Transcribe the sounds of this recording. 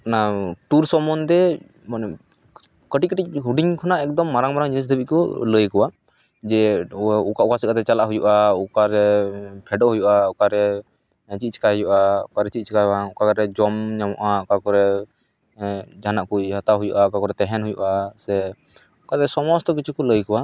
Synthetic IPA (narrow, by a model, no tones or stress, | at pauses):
naʈuɾsɔmɔnt̪ɛ | manɛ | kəʈickəʈicɦuɖiŋkʰɔnaʔɛk̚d̪ɔmːaɾaŋmaɾaŋd͡ʒinis̬d̪əbiʔkɔləjkɔwa | d͡ʒɛukaʔukasikat̪ɛt͡ʃalaʔɦujṵʔaukaɾɛpʰɛɖɔʔɦujuʔaukaɾɛ | t͡ʃit̪̚t͡ʃʰɛ̥kaɦujuʔaukaɾɛt͡ʃit̪̚t͡ʃʰikaɦʔaukakaɾɛd͡ʒɔmɲamɔʔakakɔɾɛ | d͡ʒʱanaʔkujhat̪aɦujuʔakakɔɾɛt̪ɛɦɛnɦujṵʔasɛ | ukat̪ɛsɔmɔst̪ɔk̬it͡ʃʰukɔləjkɔwa